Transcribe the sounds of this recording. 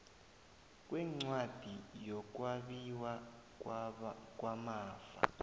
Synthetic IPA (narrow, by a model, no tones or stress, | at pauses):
k̬ʼwɛŋ͡ǀwad̥ʱijɔk̬waɓiwa | k̬ʼwamaːfa̰